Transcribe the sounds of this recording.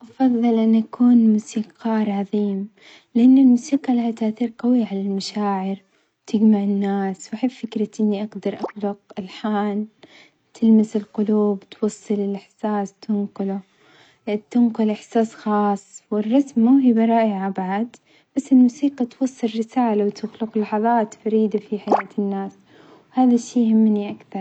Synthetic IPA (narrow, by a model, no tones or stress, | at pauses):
ʔɑfɑðˤːɑlʔanʔakʰuːnmuːsiːqʰɑːɾˤʕɑðˤiːm | lɪʔanːʊlmuːsiːqɑlahat̪aʔθiːɾqɑwiʕalalmaʃaːʕɪɾ | wt̪ʰɪɡmaʕɪnːaːswʔaħɪbfɪkɾaʔɪnːiʔɑɡd̪ɑɾˤʔɑt̪lʊqɪlħaːl | t̪ʰɪlmɪsɪlqʊluːbt̪wɑsˤːɨlɪlʔɪħsaːst̪ʰʊnqʊlʊ | t̪ʊnqʊlʔɪħsaːsxɑːsˤwɪrˤːɑsmaɦiːbɑɾˤɑːʔɪʕabaʕad̪ | b̥asːɪlmuːsiːqɑt̪wɑsˤːɨlːɪsaːlawt̪ʰʊxlʊqlɑħɑðˤɑːt̪faɾiːd̪afiħajaːt̪ɪnːaːs | whaːðaʃːiːhɪmːniʔakθɑɾˤ